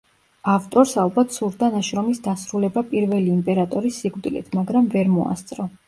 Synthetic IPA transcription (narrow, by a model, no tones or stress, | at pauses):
aft̪ʼɔɾsalˠbat̪ʰsuɾd̪anaʃɾɔmisd̪asɾulɛbapʼiɾvɛliːmpʼɛɾat̪ʼɔɾisːiɡvd̪ilḭt̪ʰmaɡɾamvɛɾmɔa̰st̪sʼɾɔ